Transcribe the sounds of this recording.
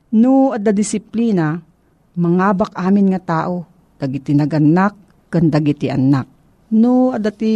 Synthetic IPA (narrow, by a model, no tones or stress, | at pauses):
nʊɐd̪ad̪ɪsɪpliːna | mɐŋaːbak̚ʔaːmɪnŋɐt̪aːʔo | d̪̥ɐɡɪt̪ɪnɐɡɐnːak̚ː | and̪ɐɡɪt̪ɪʔɐ̰nːak̚ | noɐd̪at̪i